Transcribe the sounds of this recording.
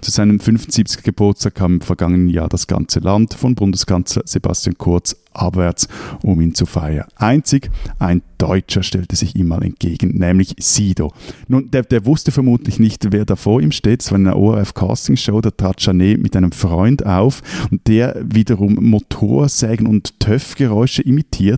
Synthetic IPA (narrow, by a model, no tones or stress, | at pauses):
t͡suz̥aɪnəmfʏnfn̩tz̥iːp̚t͡sɪ̥çɡ̥əb̥ʊɐt͡staːkʰaːmɪmfɛɐɡɑŋənənja̰ːɐd̥asɡ̥ɑ̰nt͡səlʔandfɔnbʊndəskʰɑnslɐz̥eba̰stjankʰʊɐt͡s | ʔɑ̰bvɛɐt͡sʔʊmiːnt͡sufa̰ɪɐ̰nʔaɪnt͡sɪɡʔaɪnd̥ɔ̰ʏt͡ʃɐʃtɛltəz̥ɪçḭːmːaːlʔɛ̰nt̚ɡ̥eːɡ̥n̩nɛːmlɪçsiːd̥onuːnd̥eːɐd̥eːɐvʊstəfɛɐmuːtlɪçnɪçtveːɐdaːfoːɐiːmʃteːtɛ̥saːʁɪnanɐ̰ʔo̰ɛʁɛfkʰa̰ːstɪŋʃoʊdaːɐtʁ̥aːtʃɑneːmʔɪ̰tʔaɪnəmfʁɔʏndaʊfʊnt̚d̥eːɐviːdɐʁʊmːotʰo̰ːɐz̥ɛːɡən̩ʊnttʰœfɡ̥əʁɔʏʃəʔimitʰiːɐt